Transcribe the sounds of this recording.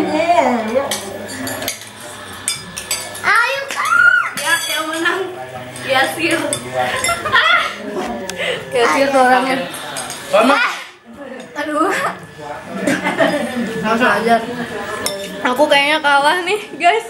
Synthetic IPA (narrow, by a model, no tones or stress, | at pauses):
ʔajukajakajamənaŋ | jasir | a | kajasirsoɾaŋa | ama | adua | as̬aad͡ʒar | akukajaɲakalahnɪhɡajs